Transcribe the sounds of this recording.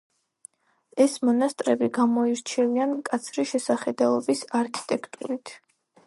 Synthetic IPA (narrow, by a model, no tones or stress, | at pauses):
ɛsmɔnast̪ʼɾɛbiɡamɔiɾt͡ʃʰɛviankʼat̪sʰɾiʃɛsaχɛd̪alˠɔbisaɾkʰi̥t̪ʼɛkʰt̪ʼuɾit̪ʰ